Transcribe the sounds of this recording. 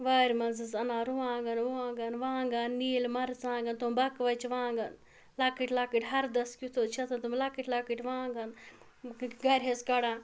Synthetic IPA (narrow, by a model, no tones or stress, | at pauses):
ʋaːɾʲmɐnzɨzɐnaːɾuʋãːɡɐnʋuãːɡɐnʋãːŋɡanːiːlmɐɾt͡sãːŋɡɐnt̪umbɐkʋɐt͡ʃʰʋãːŋɡɐn | lakiʈʲlakiʈʲɦɐɾd̪ɐskut̪ʰoːt͡ʃʰɐt̪ʰɐnt̪umlakiʈʲlakiʈʲʋãːŋɡɐn | ɡɐɾʲɦeskɐɽaːn